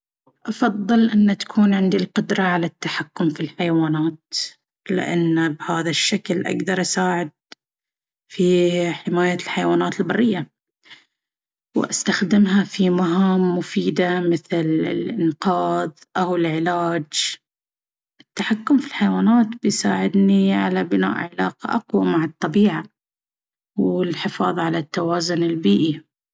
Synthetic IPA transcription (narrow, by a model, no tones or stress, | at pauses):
ʔɑfɑðˤːɨlʔɪnːt̪ḁkʰuːnʕɪnd̪ilqʊd̪ɾˤɑʕalat̪ːaħakːʊmfilħajawaːnaːt̪ | lɪ̰ʔa̰nːbhaːðaʃːaklʔa̰ɡd̪ɑɾˤʔasaːʕɪd̪̚ | fiħɪmaːjalħajawaːnaːt̪ɪlbɑrˤːɪjːa | w̰ʔast̪axd̪ɪmɦafimaɦaːmːʊfiːd̪amɪθlɪ̰lʔɪnqɑːðˤʔawɪlʕɪlaːd͡ʒ | ʔɪt̪ːaħakːʊmfilħajwaːnaːt̪bɪjsaːʕɪd̪niʕalabɪna̰ːʔʕɪlaːqɑ̰ʔaqwamaʕɑt̪ˤːɑbiːʕa | wɪlħɪfɑ̰ːðˤʕalat̪ːawaːzʊnɪlbiːʔi